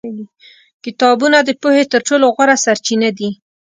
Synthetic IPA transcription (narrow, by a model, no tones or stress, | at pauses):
li | kɪt̪ɑbunad̪əpohet̪əɾʈoloɣwaɾasaɾt͡ʃinad̪i